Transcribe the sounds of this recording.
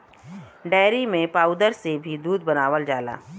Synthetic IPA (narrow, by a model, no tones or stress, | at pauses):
ɖɛːɾimẽpaːʊd̪əɾsebʱid̪uːd̪̚bənaːʋəld͡ʒaːla̰ː